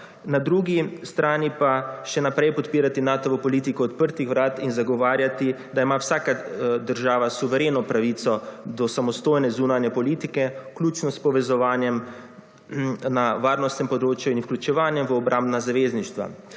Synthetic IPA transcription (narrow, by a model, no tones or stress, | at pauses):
nad̪ɾuːɡist̪ɾaːnipaʃɛnapɾɛjpɔt̪piːɾat̪inaːt̪ɔʋɔpɔliːt̪ikɔːt̪pəɾt̪ixʋɾaːt̪inzaɡɔʋaːɾjat̪i | d̪aimawsaːkad̪əɾʒaːʋasuʋɛɾeːnɔpɾaʋit̪sɔd̪ɔsamɔst̪oːjnɛzuːnanjɛpɔliːt̪ikɛklʲuːt͡ʃnɔspɔʋɛzɔʋaːnjɛm | naʋaːɾnɔst̪nɛmpɔd̪ɾoːt͡ʃjuinwklʲut͡ʃɛʋaːnjɛmʋəɔbɾʔambnazaʋeːzniʃt̪ʋa̰